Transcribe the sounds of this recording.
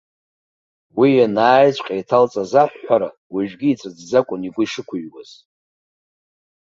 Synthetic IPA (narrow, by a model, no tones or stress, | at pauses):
wijanaːjt͡sʷʼqʲʼajtʰalt͡sʼazaħʷːaɾa | wiʒᶣɡʲiːt͡sʷʰad͡zd͡zakʷʼʊniɡʷʊiʂɨkʷʰʊɥɡaz̥